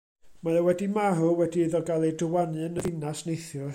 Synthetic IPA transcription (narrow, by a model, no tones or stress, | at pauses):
majɔwɛdimaɾʊwɛdiɨðɔɡalˠejdəwanɨnəðɪnasnejθjɔ